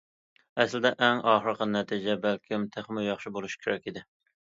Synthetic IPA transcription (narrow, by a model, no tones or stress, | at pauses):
ɛslɪd̪ɛʔɛŋɑːχɾəqʰənɛt̪ʰid͡ʒɛbælkʲʰimt̪ʰeχmʊjɑχʃibolˠuʃkʲʰeɾɛkʲid̪ɪ